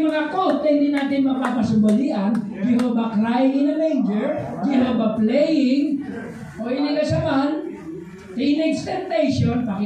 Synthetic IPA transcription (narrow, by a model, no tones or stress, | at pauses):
mɐŋakot̪ːɐhɪnd̪iːnaːt̪ɪnmɐpapɐsʊmbɐliʔɐn | ɡɪɾobɐkɾajɪŋɪnɐmejnd͡ʒɛɹɡɪɾobɐplɛjɪŋ | ʔojnɪlasɐman | t̪inɛɡst̪ɛnt̪ɛjʃonpɐk